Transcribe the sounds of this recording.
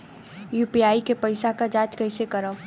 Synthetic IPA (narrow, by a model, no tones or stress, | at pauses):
juːpiaːikepəɪsakad͡ʒaːt͡ʃkəɪsekəɾə